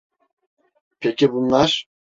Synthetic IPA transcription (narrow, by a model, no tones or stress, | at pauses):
pʰɛcʰibunlˠaɾ